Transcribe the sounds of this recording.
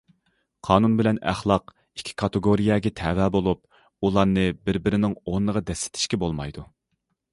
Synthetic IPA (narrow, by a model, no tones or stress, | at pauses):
qʰɑːnunbɪlɛnæ̰χlˠɑq | ikʲʰːi̥kʰɑt̪ɨɡoɾijɑɡʲɛt̪ʰɛwɛbolˠup̚ | ulˠɑɾnɨbɪɾbɪɾɪnɪŋonːəʁɑd̪ɛsːɪ̥t̪ʰɪ̥ʃkʲɛbolˠmɑ̰jd̪u